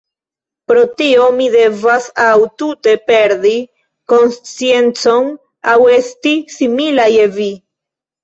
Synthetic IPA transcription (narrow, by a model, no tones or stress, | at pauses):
pɾo̞tio̞mide̞vasawtute̞pe̞ɾdi | ko̞nst͡sie̞nt͡so̞n | awe̞stisimilaje̞vi